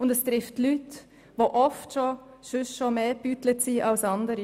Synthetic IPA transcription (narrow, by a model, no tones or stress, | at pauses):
ʊndɛst̪ɾɪftlyt | ʋoːʔɔftʃo | ʃʏsʃomeːb̥yːtlətsiːʔɑlsɑndəɾi